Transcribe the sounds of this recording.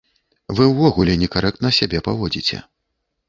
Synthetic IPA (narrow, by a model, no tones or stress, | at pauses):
vɨwvɔɣulʲɛnʲɛkaɾʔɛk̚t̪nɐsʲabʲɛpavɔd͡zʲit͡sʲɛ̰